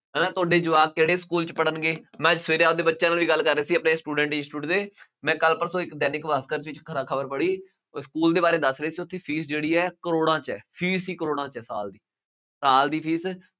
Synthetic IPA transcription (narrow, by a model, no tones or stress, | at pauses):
ɦɛːnãːt̪ʊaːɖeːd͡ʒʊʋaːkeːɽeːskuːlt͡ʃpəɽənɡeːmɛ̃ːd͡ʒsʋeːɾeaːod̪eːbətːʃãːnaːlʋiːɡəlːkəɾːeːsiːəpneːsʈuːɖɛ̃ːɳʈɪnsʈuːʈd̪eːmɛ̃ːkəlpəɾsõːɪkd̪ɛːnɪkʋaːskəɾt͡ʃɪt͡ʃkʰəɾaːkʰəbəɾpəɽiː | skuːld̪eːbaːɾeːd̪əsɾəeːsiːʊt̪ʰːeːpʰiːsd͡ʒeːɽiːɛːkəɾoːɽãːt͡ʃɛ̰ːpʰiːsiːkəɾoːɽ̃ãːt͡ʃɛːsa̰ːld̪iː | saːld̪iːpʰiːs